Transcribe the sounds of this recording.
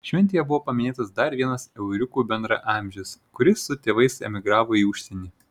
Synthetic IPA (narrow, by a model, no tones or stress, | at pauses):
ʃʲʋʲɛnʲt̪ʲeːjɛbʊʋoːpɐmʲɪnʲeːt̪ɐsd̪ɐɾʋʲiɛnɐsɛʊɾʲʊkuːbʲɛnd̪ɾɐ̰ʔɑːˑmʲʒʲɪskʊɾʲɪsːʊt̪ʲeːʋɐɪsɛ̰mʲɪɡɾɑːʋoːiʊʃʲsʲɛnʲiː